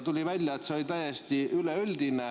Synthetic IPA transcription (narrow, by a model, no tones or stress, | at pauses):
t̪ulʲivælʲjɑet̪seo̞lʲit̪æjest̪iyleyld̪ine